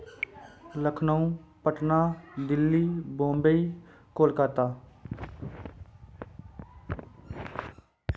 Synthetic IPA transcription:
ləkʰnəũpəʈnaːd̪ɪlːibõːmbəi | koːlkaːt̪aː

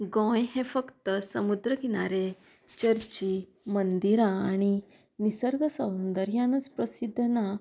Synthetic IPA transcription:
ɡɔ̃jɦẽfəkt̪əsəmud̪ɾəɡiɽ̃aɾe | t͡ɕəɾt͡ɕi | mənd̪iɾãːɽ̃i | nisəɾɡəsə̃wnd̪əɾjãnət͡spɾəsid̪ʱːna

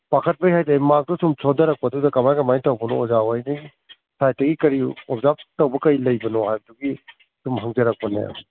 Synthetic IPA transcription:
pakʰɐt̚bɐjɦajtamak̚dusumsʰodɐɾɐk̚pɐdudɐkɐmajkɐmajtɐwbɐnɔ̰ɔzawajniɡi | sajtɐɡikɐɾiɔzap̚tɐwbɐkɐilɐjbɐnɔhajbɐduɡi | sumɦɐŋzɐɾɐk̚pɐnḛm

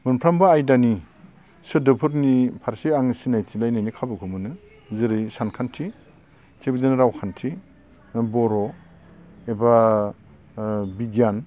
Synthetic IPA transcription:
mɯnpʰɾambaajdani | sɯdɯpʰɯɾnipʰaɾsiaŋsinajtʰilajnajnikʰabɯkʰumɯnɯ | zɯɾɯjsankʰantʰi | tʰebidinɾawkʰantʰi | bɔɾɔ | eba | biɡijan

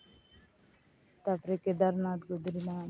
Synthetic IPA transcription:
t̪apɾeked̪aɾnat̪ɡod̪ɾina

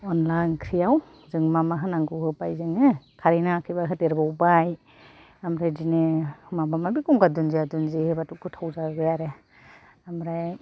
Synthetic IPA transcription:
ɔnlajnkʰɾijaw | zɯŋmamaɦɯnaŋɡɯwhɯbajzɯŋɯkʰaɾinakʰɯjbaɦɯteɾbawbaj | amɾajdinemamamabikuŋkadunziadunzihɯbatukʰɯtʰawzaɡejaɾe | amɾaj

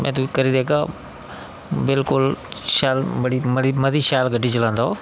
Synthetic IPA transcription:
mʔɛ̰̃ːt̪̬ukɐɾid̪eːka | bɪlkʊlʃaːlbɐɽiməɽimɐd̪ʱiːʃaːlɡʱəʈit͡ʃəlãːnd̪aoː

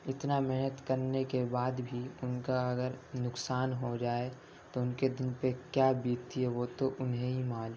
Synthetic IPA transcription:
ɪt̪namɛɦnət̪kəɾnekebaːd̪bʱiʊnkaɐɡəɾnʊksaːnɦod͡ʒaːe | t̪oʊnked̪ɪnpekjaːbiːɡt̪iɦɛʋot̪oʔʊnɦeɦimãːl

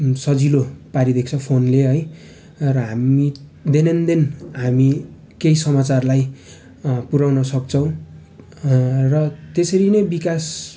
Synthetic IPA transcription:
sʌd͡zilopaɾid̪ekt͡sʰʌpʰonleɦʌj | rʌɦamid̪enend̪enɦami | kejsʌmat͡sarlaj | puɾawnʌsʌk̚t͡sʰʌw̃ | rʌt̪esʌɾinʌjbikas

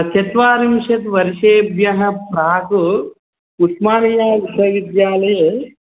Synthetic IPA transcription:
t͡ʃɐt̪ʋaːɾimʃɐt̪ʋɐɾiʃeːbjɐɦɐpɾaːku | utmaːnijaːisɐʋid̪jaːlɐje

